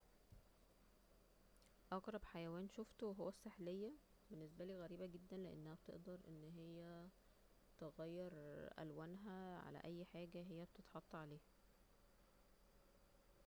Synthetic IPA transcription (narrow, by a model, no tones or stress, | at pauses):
ʔɑɡɾˤɑbħajæwæːnʃoft̪oweɦowːæsːeħlejːæ | benːes̬bæliːɣæɾiːbæɡed̪ːænleʔḛnːæhæbt̪ḛʔd̪ɑɾˤʔenːɦejːæ | t̪eɣæjːɑɾˤʔæ̰lwæːnɦæʕa̰læ̰ʔæjːħaːɡæɦejːæbt̪et̪ħɑt̪ˤːɑʕaleːhæ